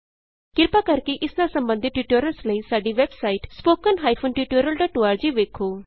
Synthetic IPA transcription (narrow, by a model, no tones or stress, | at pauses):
kɪɾpaːkɐɾkeʔɪsnasə̃mbə̃nd̪ʱɪt̪ːiuːʈoːɾəlsləisaːɖiʋɛbsaːiːʈspoːkənɦaːipʰʊnʈiːʈoːɾəlʈaʈʊaːɾd͡ʒiʋeːkʰoː